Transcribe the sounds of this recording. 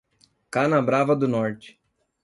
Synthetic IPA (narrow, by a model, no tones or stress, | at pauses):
kanɐbɾavɐd̪ʊnɔɾt͡ʃɪ̥